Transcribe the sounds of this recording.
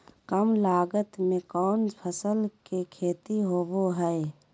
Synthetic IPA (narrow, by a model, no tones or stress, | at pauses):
kəmlaːɡət̪mẽkɔːnpʰəsəlkekʰeːt̪iɦoːboɦɛe